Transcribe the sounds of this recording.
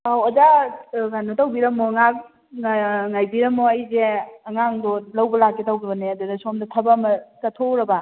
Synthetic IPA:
aozaɡanotɐwbiɾɐmoŋak̚ | ŋajbiɾɐmoɐjzeɐŋaŋdolɐwbɐlakːetawbibɐneɐdudɐsomdɐtʰɐbɐːmɐtɐtʰoɾɐba

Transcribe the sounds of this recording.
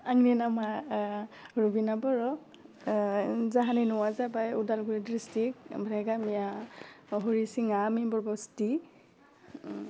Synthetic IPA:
aŋninama | ɹubinabɔɹɔ | zaɦaninɔwazabajudalɡuɹidɹistik̚bʱɾɛɡamija | ɦoɹisiŋamibɔɹbɔsti

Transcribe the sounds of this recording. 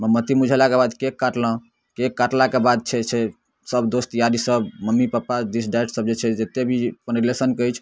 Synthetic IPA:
məmːət̪imud͡ʒʱelakebad̪kekːaʈlə̃ | kekːaʈlakebad̪̚t͡ʃʰɛsʰe | səbd̪ost̪jad̪isəbməmːipapːad̪isɖaeʈsəb̚d͡ʒet͡ʃʰɛd͡ʒet̪ebʱipəniɾlesənkəjt͡ʃʰ

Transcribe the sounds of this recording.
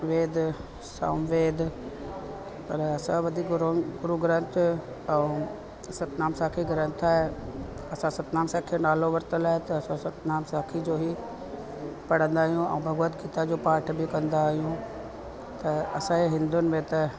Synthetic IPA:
ʋeːd̪ʱ | sɐ̰mʋeːd̪ʱ | pɐɾɐsãʋɐd̪ʱiːkɾɡʊɾuɡɾə̃nt̪ʰ | ɛ̃ | sɐt̪naːmsaːkʰiɡɐɾə̃nt̪ʰaːɦe | ɐsãsɐt̪naːmsaːkʰinaːloʋɐɾt̪əlaːɦet̪ɐɐsãsɐt̪naːmsaːkʰid͡ʑoːɦi | pɐɽ̤ə̃nd̪aːɦijũɛ̰̃bʱɐɣʋət̪ɡiːt̪ad͡ʑoːpaːɾʈʰbɪkɐ̃nd̪aːɦijũ | t̪ɐɐsãeɦɪ̃nd̪ʊnɪ̆mẽt̪ɐ

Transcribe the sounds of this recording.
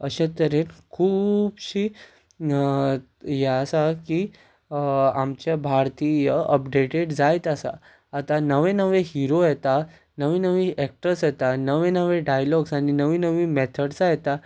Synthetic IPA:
əɕãt̪əɾenkʰuːbɕiː | jɛasaki | amt͡ɕjabʱaɾt̪ijəəpɖeʈeɽd͡zajt̪asa̰ː | t̪anəʋẽnəʋeɦiɾojɛt̪a | nəʋĩnəʋĩʔɛk̚ʈəɾsjɛt̪anəʋẽnəʋẽɖajlɔɡsaɽ̃inəʋĩːnəʋĩːmet̪ʰəɽsajɛt̪a

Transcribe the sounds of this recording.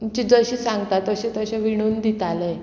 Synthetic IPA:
t͡ɕid͡zəɕiːsãŋɡt̪at̪əɕet̪əɕẽʋiɽ̃uːnd̪it̪ale

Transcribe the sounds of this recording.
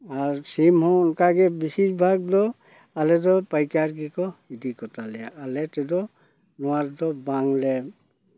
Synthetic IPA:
aɹsimhɔnkaɡɛbisisbʱaɡ̚dɔ | alɛdɔpajkaɾɡikɔidikɔtʰalɛaːlɛtɛdɔ | nɔwaɾdɔbaŋlɛ

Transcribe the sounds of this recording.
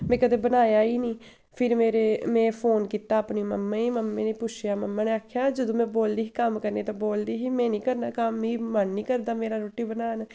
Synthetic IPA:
mɛ̃ːkəd̪eːbənaːjaːiːnĩː | pʰɪɾmeːɾeːmɛ̃ːpʰoːnkiːt̪aːpniməmːãːiːməmːẽːneːpʊt͡ʃʰjaːməmːaːneːaːkʰjaːd͡ʒəd̪õːmɛ̃ːboːld̪iːɦiːkəmkəɾneːt̪ãːboːld̪iːɦiːmɛ̃ːnĩːkəɾnaːkəmiːmənːĩːkəɾd̪aːmeːɾaːɾoːʈiːbənaːn

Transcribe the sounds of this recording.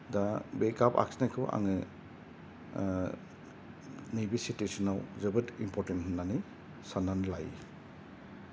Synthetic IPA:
dabekapa̰ksnakʰɯwʔa̰ŋɯ | nijbisitesinawzɯbɯtimpɔɾtenɦɯnːanɯ | sananlaj

